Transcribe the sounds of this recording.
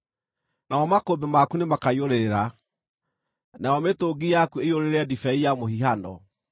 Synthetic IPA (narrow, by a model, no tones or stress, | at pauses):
nawɔmakobemakunemakaioɾeɾeɾa | naɔmetoːɡijakuejoɾeɾeɛdifɛijamohiɦandɔ